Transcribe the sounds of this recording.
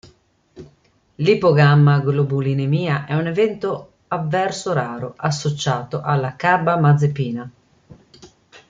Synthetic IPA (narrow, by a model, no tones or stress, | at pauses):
lipoɡamːaɡlobulinemiːaʔɛunevɛnt̪o | avːɛɾsoɾaːɾoʔasːot͡ʃaːt̪oʔalːakabːamad̪zːepiːna